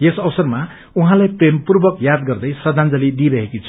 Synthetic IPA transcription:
jesʌbʌsʌrma | uɦãlajprempurbʌkjad̪̚ɡʌrd̪ʌjsʌd̪ʱand͡zʌlid̪iɾʌɦekit͡sʰu̥

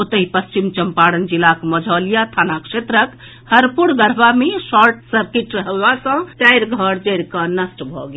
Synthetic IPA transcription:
ot̪əɦipəst͡ʃimt͡ʃəmpaɽənd͡ʒilakməd͡ʒʱɔlijat̪ʰanakset̪ɾək | həɾpuɽɡəɾbamesɔɾʈsəɾkiʈɾəɦəbasə̃ʈajɾɡʱəɽd͡ʒəɾkənəsʈbʱɔ̰ɡe

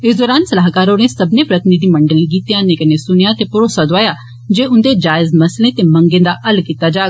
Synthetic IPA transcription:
ɪːsd̪ɔːɾaːnsɐlaːɦkaːɾonesɐbnepɾɐt̪ɪnid̪imɐ̃ɳɖəlɡiːt̪jãnẽkɐnesʊnjãt̪epʊɾoːsad̪oaːja | d͡ʒeːʊ̃nd̪ed͡ʒaːɪzmɐslẽt̪emɐ̃ŋɡẽːd̪aʔɐlkiːt̪ad͡ʒaːɡ

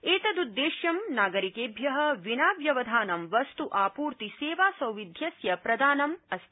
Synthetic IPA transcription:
eːt̪ɐd̪ud̪ːeːʃjɐmnaːɡɐɾikeːbʱjɐɦɐ̆ʋinaːʋjɐʋɐd̪ʱaːnɐmʋɐst̪uʔaːpuːɾt̪iseːʋaːsɐwʋid̪ʱjɐsjɐpɾɐd̪aːnɐmɐs

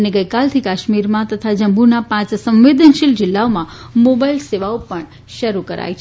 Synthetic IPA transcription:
əneɡəjkalt̪ʰikaʃmiɾmãt̪ət̪ʰad͡ʒəmbʱunapãt͡ʃsə̃mʋed̪ənʃild͡ʒɪlːaomã | mobailseʋaopəɳ | ʃəɾukəɾa̰jt͡ʃʰ

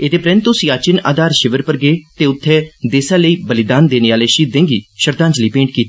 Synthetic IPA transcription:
et̪eːpɾɛ̃nt̪osiːaːt͡ʃɪna̰ːd̪aːɾʃɪʋəɾpəɾɡeːt̪eːʊt̪ʰːɛːd̪eːsãːləiːbəlɪd̪aːnd̪eːneːaːleːʃiːd̪ẽːŋɡiːʃəɾd̪ãːt͡ʃliːpẽːɳʈkiːt̪ː

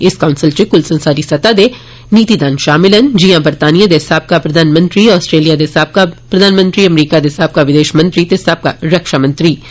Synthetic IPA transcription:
ɪskaːʊ̃nsɪlt͡ʃekʊlsɐ̃nsaːɾisɐt̪ad̪e | niːt̪id̪aːnʃaːmɪlənd͡ʒiɦãbɐɾt̪aːnijad̪esaːb̚kapɾɐd̪ʱaːnmə̃nt̪ɾiɔːsʈɾeːlijad̪esaːb̚kapɾɐd̪ʱaːnmə̃nt̪ɾiɐmɾiːkad̪esaːb̚kaʋɪd̪eːʃmɐ̃nt̪ɾit̪esaːb̚kaɾɐkʃamɐ̃nt̪ɾiː

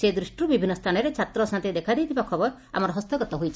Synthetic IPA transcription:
sed̪ɾuʃʈubibʱinːɔst̪ʰanɔɾet͡ʃʰat̪ɾɔsant̪id̪ekʰad̪ejt̪ʰibakʰɔbɔɾ | a̰mɔɾɔɦɔst̪ɔɡɔt̪ɔɦujt͡ʃʰi

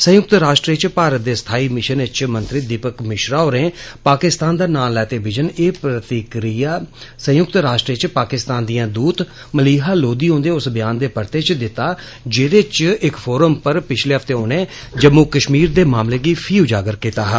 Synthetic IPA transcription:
sə̃jʊk̚t̪ɾaːʃʈɾiːt͡ʃpaːɾət̪̚d̪eːst̪ʰaːiːmɪʃənɪt͡ʃmə̃nt̪ɾiːd̪iːpəkmɪʃɾaːoːɾẽːpaːkɪst̪aːnd̪aːnaːllːɛːt̪eːʋɪd͡ʒəneːpɾət̪ɪkɾijaːsə̃jʊk̚t̪ɾaːʃʈɾiːt͡ʃpaːkɪst̪aːnd̪ijãːd̪uːt̪ | məliːɦaːloːd̪iːɦõːnd̪eːʊsbɪjaːnd̪eːpəɾt̪eːt͡ʃd̪ɪt̪ːaː | d͡ʒeːɾet͡ʃɪkpʰoːɾəmpəɾpɪt͡ʃʰleːɦəft̪eːoːnẽː | d͡ʒəmukəʃmiːɾd̪eːmaːmleːɡiːpʰiːʊd͡ʒaːɡəɾkiːt̪aːɦ

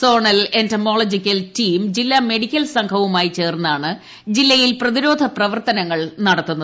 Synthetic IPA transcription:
so̞ːɳɐlentɐmoːɭɐd͡ʑikʲːɐltiːmd͡ʑilːɐme̞ɽikʲːɐlsɐŋkʰɐʋumaːjit͡ɕe̞ːrnːaːɳɨ | d͡ʑilːɐjilprɐðiɾo̞ːd̪ʱɐprɐʋɐrt̪ɐnɐŋːɐɭnɐɽɐt̪ːunːɐ

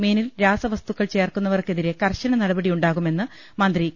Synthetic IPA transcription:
meːnilɾaːsɐʋɐst̪uɣːɐɭt͡ɕe̞ːrkunːɐʋɐrke̞ðiɾe̞kɐrɕɐɳɐnɐɽɐbɐɽijuɳɖaːɣume̞nːɨ | mɐnd̪ri

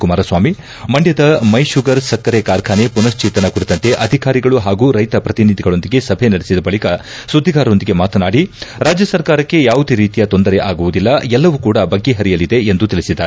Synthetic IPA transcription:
kumaːɾɐsʋaːmi | mɐɳɖjɐd̪ɐmɐjʃuɡɐɾsɐkːɐɾekaːɾkʰaːnepunɐst͡ʃiːt̪ɐnɐkuɽit̪ɐnt̪e̞ʔɐd̪ʱikaːɾiɡɐɭuɦaːɡuːɾɐjt̪ɐpɾɐt̪inid̪ʱiɡɐɭo̞nd̪iɡe̞sɐbʱenɐɽesid̪ɐbɐɭikɐ | sud̪ʱːiɡaːɾɐo̞nd̪iɡe̞maːt̪ɐnaːɽiɾaːd͡ʒjɐsɐɾkaːɾɐkːe̞jaːʋud̪eɾiːt̪ijɐt̪o̞nd̪ɐɾeʔaːɡuʋud̪ilːɐɛlːɐʋukuːɽɐbɐɡːe̞ɦɐɾijɐlid̪e̞end̪ut̪iɭisid̪ːaːɾe

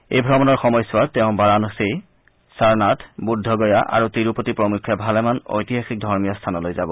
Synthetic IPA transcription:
ejbʱɹɔmɔnɔɹxɔmɔjsʊwatɛʊ̃baɹanɔsej | saɹnatʰbudʱːɔɡɔjaʔa̰ɹutiɹupotipɹɔmukʰːjabʱalɛmano̰jtiɦaxik̚dʱɔɹmijɔstʰanɔlojzabɔ

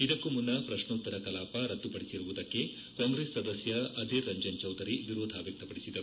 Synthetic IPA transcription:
id̪ɐkːumunːɐpɾɐʂnɐut̪ːɐɾɐkɐlaːpɐɾɐt̪ːupɐɽisiɾuʋud̪ɐkːe̞ | kaːŋɡɾeːsːɐd̪ɐsjɐɐd̪ʱiɾːɐɲd͡ʒɐnt͡ʃɐwd̪ʱɐɾiʋiɾoːd̪ʱaːʋjɐk̚t̪ɐpɐɽisid̪ɐɾu

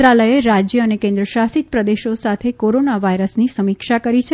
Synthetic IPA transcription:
ɾaləjeɾad͡ʒjəːnekẽnd̪ɾəʃasit̪̚pɾəd̪eʃosat̪ʰekoɾonaʋajɾəsnisəmikʃakəɾit͡ʃʰe

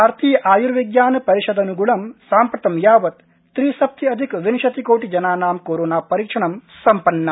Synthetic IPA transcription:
aːɾt̪iːjɐʔaːjuɾʋiɡjaːnɐpɐɾiʃɐd̪ɐnuɡuɭɐmsaːmpɾɐt̪ɐmjaːʋɐt̪ː | ɾiːsɐp̚t̪iɐd̪ʱikʋinʃɐt̪ikoːʈid͡ʒɐnaːnaːmkoːɾoːnaːpɐɾiːkʂɐɳɐmsɐmpɐnːɐ

